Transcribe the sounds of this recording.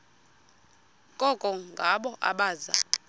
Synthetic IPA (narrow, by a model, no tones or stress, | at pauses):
kʼɔkʼɔŋɡʱaɓɔʔa̰ɓaːza̰